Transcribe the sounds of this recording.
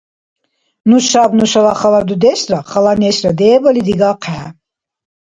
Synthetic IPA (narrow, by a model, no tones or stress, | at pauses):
nuʃabnuʃalaχalad̪ud̪ɛsɾaχalanɛsɾad̪ɛːbɔlid̪iɡaqʰɛː